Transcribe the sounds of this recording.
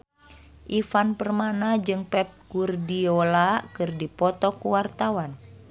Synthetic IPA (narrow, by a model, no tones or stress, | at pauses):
ʔifanpərmanad͡ʒɨŋpɛp̚kurdiolakɨrdipɔt̪ɔkuwart̪awan